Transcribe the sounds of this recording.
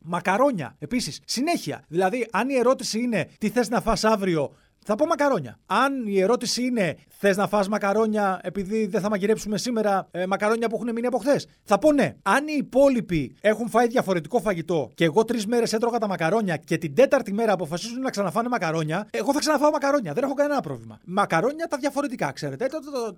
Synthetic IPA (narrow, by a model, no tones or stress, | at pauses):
mɐkɐɾo̞ɲɐ̰e̞pisissine̞çiɐ̰ðilɐðiʔɐnie̞ɾo̞t̪isiine̞t̪iθe̞znɐfɐsɐvɾio̞ | θɐpomɐkɐɾo̞ɲɐ̰ɐnie̞ɾo̞t̪isiine̞ | θe̞znɐfɐsmɐkɐɾo̞ɲɐe̞piðiðeθɐmɐʝiɾe̞psume̞sime̞ɾɐmɐkɐɾo̞ɲɐp̬uexuneminiɐpo̞xθe̞s | θɐpo̞ne̞̰ɐniːpo̞lipie̞xuɱfɐjðʝɐfo̞ɾe̞t̪iko̞fɐʝit̪o̞ceːɣo̞t̪ɾizme̞ɾe̞set̪ɾo̞ɣɐt̪ɐmɐkɐɾo̞ɲɐce̞t̪ind̪e̞t̪ɐɾt̪ime̞ɾɐːpo̞fɐsizund̪enɐksɐnɐfɐnemɐkɐɾo̞ɲɐe̞ɣo̞θɐksɐnɐfɐomɐkɐɾo̞ɲɐðe̞ne̞xo̞kɐnee̞nɐpɾo̞vlimɐ̰mɐkɐɾo̞ɲɐt̪ɐðʝɐfo̞ɾe̞t̪ikɐ̰kse̞ɾe̞t̪et̪ot̪it̪o